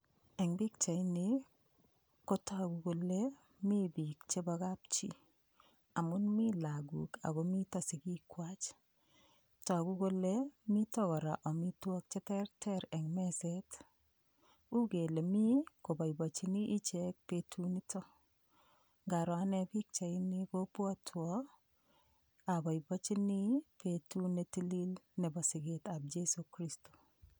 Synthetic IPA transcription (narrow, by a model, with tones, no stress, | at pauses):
ɛ˨ŋbi˦k̚t͡ʃa˨jnɪ˨ | ko˦tɔ˦˨ɡu˨ɡo˦le˦ | mi˦bi˨kt͡ʃe˦bɔ˧ɡa˦p̚t͡ʃḭ˨ | a˨mʊ˦nmi˦la˨ɡṵ˨ka̰˨ɡo˦mi˦tɔ˦sɪ˨ki˦kwa˦t͡ʃ | tɔ˨a˨ɡu˦ko˦le˦mi˦tɔ˦ɡɔ˨ɾa˨ʔɔ˨mi˦twɔ˦k̚t͡ʃɛ˦tɛ˦rtʰɛ˦ɾɛ˨ŋmɛ˦se˦t | u˦ɡe˨le˨mi˦ko˨bɔ˨i˨bɔ˨t͡ʃɪ˦nɪ˦ʔi˦t͡ʃɛ˦k̚pe˨tʰu˦ni˦tɔ˦ | ŋɡa˨ɾɔ˨a˦nɛ˦pɪ˦k̚t͡ʃa˨ɪ˦ni˦ko˦pwɔ˦tʰwɔ˦ | a˨bɔ˨i˨bɔ˦t͡ʃi˦nɪ˦pe˨tu˦ne˨ti˦li˦lnɛ˨bɔ˨sɪ˨ɡɪ˦ta˨b̚d͡ʒe˦so˨kɾi˦sto̥˨